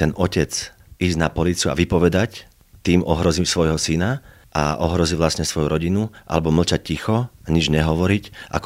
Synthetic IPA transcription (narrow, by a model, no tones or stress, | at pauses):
t̪ɛnɔcɛt͡s | izɟnapɔliːt͡sɪua̰ʋipɔʋɛd̪ac | t̪iːmʔɔɦɾɔziːmsʋɔjɦɔsina | ʔa̰ɔɦɾɔziʋlastɲɛsʋɔjuɾɔɟinuʔa̰lɛbɔml̩t͡ʃac̚cixɔaɲid͡ʒɲɛɦɔʋɔɾicʔa̰k